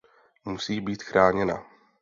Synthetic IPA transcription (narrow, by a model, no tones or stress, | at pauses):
musiːbiːt̪xɾʔaːɲɛna̰